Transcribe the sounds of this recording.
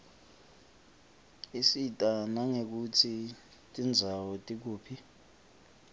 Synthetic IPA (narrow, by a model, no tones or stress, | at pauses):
isitʼanaŋek̬ut͡sʰi | tʼind͡zʱawɔtʼik̬uːpʰi